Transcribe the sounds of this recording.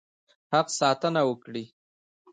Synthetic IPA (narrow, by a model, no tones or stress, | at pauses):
haqsɑt̪ənawəkɽi